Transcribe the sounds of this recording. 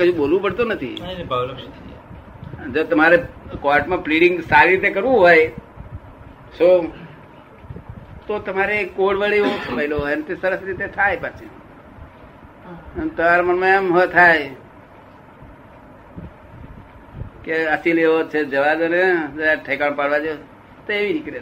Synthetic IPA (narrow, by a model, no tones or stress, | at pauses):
kəd͡ʒũbolʋũpəɽt̪onət̪ʰḭbʱaʋlt̪ʰi | d͡ʒot̪əmaɾekɔʈmãpliɽɖɪŋɡsaɾiɾit̪̬ekəɾʋũɦoj | so | t̪ot̪əmaɾekoɽʋəɭiosʰəʋailoɦojnt̪esəɾəsɾit̪et̪ʰajpat͡ʃʰe | t̪əmaɾamənmãemɦət̪ʰaj | keəsileɦot͡ʃʰed͡ʒəʋad̪əned͡ʒəeʈʰəjkaɳ̃paɽʋad͡ʒoe | t̪oeʋinikɾe